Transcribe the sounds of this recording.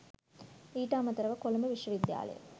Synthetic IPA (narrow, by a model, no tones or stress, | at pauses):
iːʈaːmɐt̪ːɐɾɐʋɐkolɐmbəʋiʃʋɐʋid̪ja̰ːlɐ̰jə̰